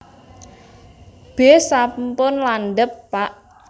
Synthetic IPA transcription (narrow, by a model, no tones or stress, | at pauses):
b̥esampʊnlanɖəpːaʔ